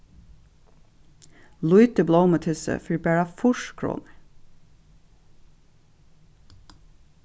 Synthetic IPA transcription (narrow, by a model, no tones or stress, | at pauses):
lʉʏt̪əblɔːmət̪ʰʏsə̰fyɹbæːɹɑfʊʃkʰɹʊ̰n